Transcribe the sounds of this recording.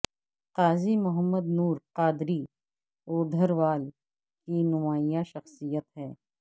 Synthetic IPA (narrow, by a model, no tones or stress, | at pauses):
qaːzimʊɦəmːəd̪nuːɾqaːd̪ɾi | oːd̪ʱəɾʋaːl | kinʊmaːijãʃɐxsijət̪ɦɛː